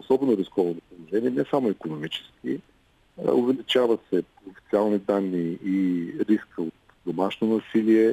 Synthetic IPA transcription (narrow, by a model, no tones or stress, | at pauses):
osɔbɛnʊɾiskɔvod̪opolˠoʒɛniɛnɛsamʊikonomit͡ʃɛ̥skʲḭ | ovɛlit͡ʃavəsɛ | ofi̥t̪sialˠnid̪anːiiɾiskəot̪ | d̪omaʃnonɐsiliɛ